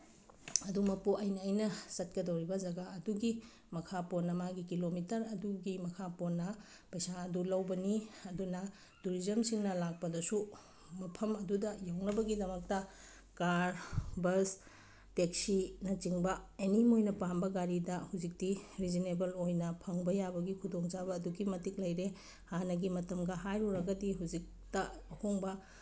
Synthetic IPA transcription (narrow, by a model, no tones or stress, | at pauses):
ɐdumɐpuʔɐjnɐːjnɐsɐt̚kɐdɐwɾibɐzɐɡaɐduɡi | mɐkʰaponːɐmaɡikilomitɐɾɐduɡimɐkʰaponːɐ | pɐjsaɐdulɐwbɐniɐdunɐ | tuɾizɐmsiŋnɐlak̚pɐdɐsu | mɐpʰɐmɐdudɐjawnɐbɐɡidɐmɐk̚tɐ | kaɾbɐs | tek̚sinɐt͡ʃiŋbɐenimojnɐpambɐɡaɾidɐhuzik̚tiɾizinebɐlojnɐpʰɐŋbɐjabɐɡikʰudoŋt͡ʃabɐːduɡimɐtik̚lɐjɾe | hanɐɡimɐtɐmɡɐɦajɾuɾɐɡɐdiɦuzik̚ | tɐɐhoŋbɐ